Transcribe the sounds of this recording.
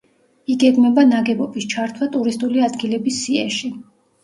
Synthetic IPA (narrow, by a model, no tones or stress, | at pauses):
iɡɛɡmɛbanaɡɛbɔbist͡ʃʰaɾt̪ʰwat̪ʼuɾist̪ʼuliad̪ɡilɛbisːiɛ̰ʃi